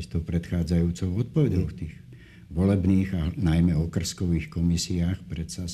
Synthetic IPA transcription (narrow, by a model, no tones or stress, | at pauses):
ct̪ɔʊpɾɛt̪xaːd͡zajuːt͡sɔʊɔt̪̚pɔʋɛɟɔʊft̪iːɣ | ʋɔlɛbniːɣaɦnajmɛɔkr̩skɔʋiːxkɔmisiaːxpɾɛt̪sa